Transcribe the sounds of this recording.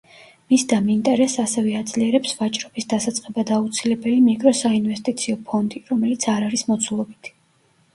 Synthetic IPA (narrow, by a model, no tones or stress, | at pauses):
misd̪amint̪ʼɛɾɛsasɛvɛad̪z̥liɛɾɛpsvat͡ʃʼɾɔbisd̪asat̪sʼqʼɛbad̪aut̪sʰilɛbɛlimikʼɾɔsainvɛst̪ʼit̪sʰiɔpʰɔnd̪iɾɔmɛlit̪sʰaɾaɾismɔt̪sʰulˠɔbit̪ʰ